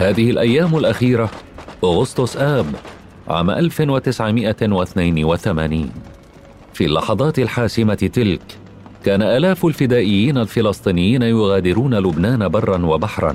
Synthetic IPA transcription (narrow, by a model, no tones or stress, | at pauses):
haːðɪhɪlʔajːaːmʊlʔaxiːɾaʔʊɣʊst̪ʊsʔaːb | ʕa̰ːma̰ʔalfɪnwat̪ɪsʕɪmɪʔawɪθnajnwaθama̰ːniːn | fiːlːɑ̰ħɑðˤɑːt̪ɪlħaːsɪmaɪt̪ɪlk | kaːnaʔaːlaːfʊlfɪd̪aːʔɪjːiːnalfɪlɑsˤt̪ˤiːnɪjːiːnajʊɣaːd̪ɪɾuːnalʊbnaːnabɑrˤːɑnwabaħɾˤɑ̰n